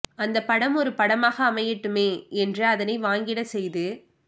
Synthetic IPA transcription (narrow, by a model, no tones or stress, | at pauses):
ɐnd̪ɐpːɐɽɐmɔɾɯpɐɽɐmaːɣɐːmɐjɪʈːɯmeːɛndrɯɐðɐnɐɪʋaːŋɡɪɽɐsɛjðɯ